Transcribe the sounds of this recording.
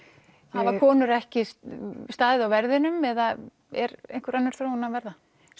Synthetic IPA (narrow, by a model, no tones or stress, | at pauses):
avakʰɔːnʏɾɛhcɪsst̪aːðɪðawvɛɾðɪnʏmɛða | ɛɾḛjnkʏɾanːaɾ̥θɾoːwnavɛɾða